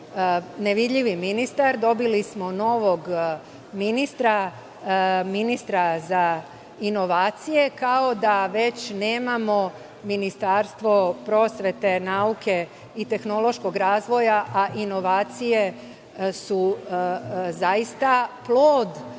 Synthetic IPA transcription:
neʋid̪ʎiʋiminist̪aɾd̪o̞bilismo̞no̞ʋo̞ɡ | minist̪ɾa | minist̪ɾaza | ino̞ʋaːt̪sije̞kao̞d̪aʋe̞t͡ɕne̞ːmamo̞ | minist̪aːɾst̪ʋo̞pɾo̞sʋe̞t̪e̞naukʰe̞ | it̪e̞xno̞lˠo̞ʃko̞ɡɾaːzʋo̞jaʔaʔino̞ʋaːt̪sije̞ | su | zajist̪aplˠoːd̪

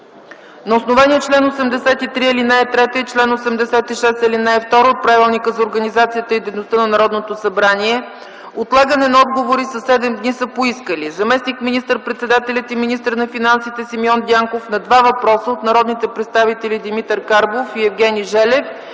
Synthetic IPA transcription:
nɐosnovaniɛt͡ʃlɛnosɛmd̪ɛsɛt̪it̪ɾiɛlinaɛt̪ɾɛt̪əit͡ʃlɛnosɛmd̪ɛsɛt̪iʃɛst̪əlinaɛft̪ɔɾoot̪̚pɾavilˠnikəzɐoɾɡənizat̪sijət̪əid̪ɛjnost̪ənɐnɐɾɔd̪not̪osɐbɾaniɛ | ot̪lˠaɡənɛnɐɔd̪ɡovoɾisəsɛd̪ɛmd̪nisəpoiskəlizɐmɛsnikminist̪əɾpɾɛt̪sɛd̪at̪ɛlʲɐt̪iminist̪əɾnɐfinansit̪ɛsimiɔnd̪ʲiaŋkofnɐd̪vavɐpɾɔsəot̪nɐɾɔd̪nit̪ɛpɾɛt̪st̪avit̪ɛlid̪imit̪əɾkaɾbofiɛvɡɛniʒɛlɛf

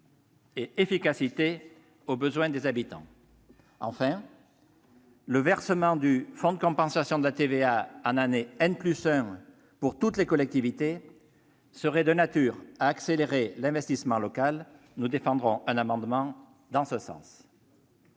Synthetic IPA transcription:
eefikasit̪e | obəzwɛ̃d̪ezabit̪ɑ̰̃ | ɑ̰̃fɛ̃ | ləvɛʁsəmɑ̃d̪yfɔ̃d̪əkɔ̃pɑ̃sasjɔ̃d̪əlat̪eveaɑ̃naneɛnplysɛ̃ | puʁt̪ut̪lekɔlɛk̚t̪ivit̪e | səʁɛd̪ənat̪yʁaːkseleʁelɛ̃vɛst̪ismɑ̃lɔkal | nud̪efɑ̃d̪ʁɔ̃ʔɛ̃namɑ̃d̪mɑ̃ | d̪ɑ̃səsɑ̰̃s

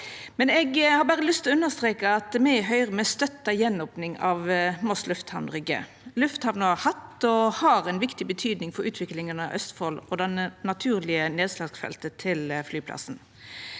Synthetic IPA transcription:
mɛnɛɡhɑɾbæːʁəlʏst̪ʰɪlɔʉnːəʁst̪ɾʁeːkəɑt̪mæɪɦœʏʁəmɛst̪œt̪ːɑjɛnɔpnɪŋɑ̰ʋmɔslʉft̪hɑʋnʁʏɡə̰ | lʉft̪hɑʋnəɑhɑt̪ːɔhɑʁɛnʋɪkt̪ɪbət̪ʰyːd̪nɪŋfɔɾʉ̰ːt̪ʰʋɪklɪŋənɑʔœ̰st̪folɔd̪ɛnnɑt̪ʰʉːʁlɪəneːd̪slɑɡsfɛ̰lt̪ət̪ʰɪlflyːpʰlɑ̰sn̩

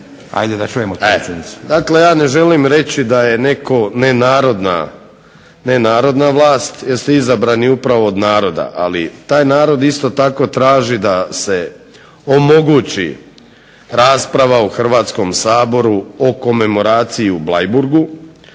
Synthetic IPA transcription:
a̰jd̪ed̪at͡ʃujemot̪eeniu̥d̪akle̞jaːne̞ʒe̞limɾe̞t͡ɕid̪aje̞ne̞ko̞nenaːɾo̞d̪na̰ | nenaːɾo̞d̪naʋlˠaːst̪jeɾst̪oizabɾaniupɾaʋo̞ːd̪naːɾo̞d̪a̰ʔa̰lḭt̪aːjnaːɾo̞d̪ist̪o̞t̪ako̞t̪ɾaːʒid̪ase̞ | omo̞ɡut͡ɕḭ | ɾaːspɾaʋauxr̩ʋaːt̪sko̞msaːbo̞ɾuoko̞me̞mo̞ɾaːt̪sijiublajbuɾɡu

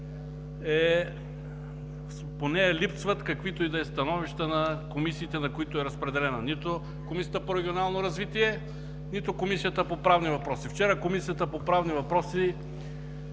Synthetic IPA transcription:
ɛ | ponɛɛlipsvɐt̪kɐkvit̪oid̪ɐɛst̪ɐnɔviʃt̪ənɐkomisiːt̪ɛnɐkoit̪oɛɾɐspɾɛd̪ɛlɛnɐnit̪o | komisijət̪əpoɾɛɡʲionalˠnoɾɐzvit̪iɛ | nit̪okomisijət̪əpopɾavnivɐpɾɔsift͡ʃɛɾəkomisijət̪əpopɾavnivɐpɾɔsi

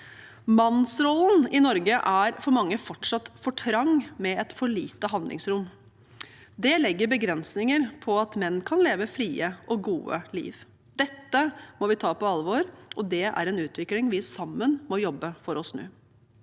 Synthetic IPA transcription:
mɑnsɾɔlːənɪnɔɾɡəʔæɾfɔɾmɑŋːəfɔʈʂɑt̪ːfɔʈʰɾɑŋːmɛɛt̪fɔɭiːt̪əɦɑnd̪lʔɪ̰ŋsɾʊm | d̪ɛlɛɡːəɾbəɡɾɛnsnɪŋəɾpʰɔɑt̪mɛnːkʰɑnleːʋəfɾiːəʔɔɡuːə̰lḭːʋ | d̪ɛt̪ːəmɔʋɪt̪ʰɑːpɔɑlʋoːɾʔɔd̪ɛæ̰ɾɛnʉːt̪ʋɪklɪŋʋɪsɑmːənmɔjɔbːəfɔɾɔsnʉ̰ː

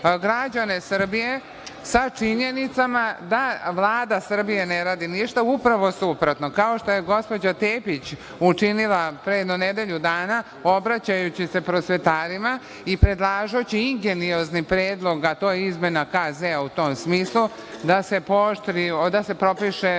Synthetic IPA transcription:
ɡɾad͡ʑane̞sr̩bije̞ | sat͡ʃiɲe̞nit̪samad̪aʋlˠaːd̪asr̩bije̞neɾaːd̪iniʃt̪aupɾaʋo̞supɾot̪nokaoʃt̪o̞je̞ɡo̞spo̞d͡ʑat̪eːpit͡ɕ | ut͡ʃinilˠapɾeed̪noned̪eʎud̪aːna | o̞bɾat͡ɕajut͡ɕise̞pɾo̞sʋe̞t̪aːɾima | ipɾe̞d̪lˠaːʒot͡ɕiiŋɡenioznipɾeːd̪lˠo̞ɡat̪o̞jizme̞nakazeut̪o̞msmiːslˠu | d̪ase̞poʃt̪ɾiod̪ase̞pɾo̞piʃe̞

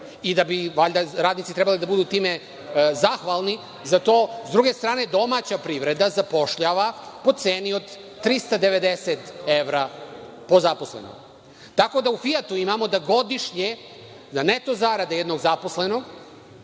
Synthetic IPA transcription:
id̪abiʋaʎʲd̪aɾaːd̪nit̪sit̪ɾebalid̪abud̪uːt̪iːme | zaxʋalˠni | zat̪o̞ːzd̪ɾuɡe̞st̪ɾaːne̞d̪o̞mat͡ɕapɾiʋɾe̞d̪azapo̞ʃʎaʋapo̞t̪seːnio̞d̪ː | ɾist̪ad̪e̞ʋe̞d̪eset̪eʋɾa | po̞zapo̞slḛno̰ɡ | t̪ako̞d̪aufijat̪uimamo̞d̪aɡo̞d̪iʃɲe | zanet̪o̞zaɾad̪ajed̪no̞ɡzapo̞sle̞no̞ɡ

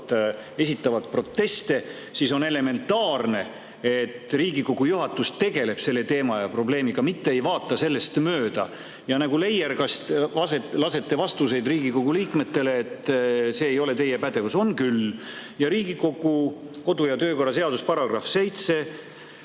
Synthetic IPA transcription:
e̞sit̪ˑːɑvɑt̪̚pro̞t̪ːe̞st̪e̞ | siso̞ne̞le̞me̞nt̪ːɑːrne̞ | et̪ːˑriːɡiko̞ɡ̥ujuɦɑt̪ːˑust̪e̞ɡ̥e̞le̞b̥se̞lːe̞t̪e̞ːmɑjɑpro̞ble̞ːmiɡ̥ɑmit̪ːe̞ejvɑːt̪ːˑɑse̞lːe̞st̪møːd̪̥ɑ | jɑnɑɡule̞jerkɑst̪vɑselɑse̞t̪ːe̞vɑst̪use̞jd̪riːɡiko̞ɡ̥uliːkme̞t̪ːe̞le̞ːt̪ːse̞ːjo̞le̞t̪e̞jepæd̪e̞vuso̞nkyljɑɾiːɡiko̞ɡ̥uko̞d̪ujɑt̪øːko̞rːɑse̞ɑd̪uspɑɾɑɡ̥rɑfse̞jt̪se̞

